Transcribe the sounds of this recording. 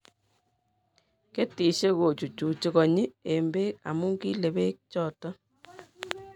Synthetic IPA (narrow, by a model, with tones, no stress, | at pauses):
ke˦ti˨ʃe˦ko˨t͡ʃu˨t͡ʃu˨t͡ʃi˦kɔ˨ɲi˦e˨mbe˦k̚a̰˨mu˦ŋki˦le˨be˦k̚t͡ʃɔː˦˨tɔ˦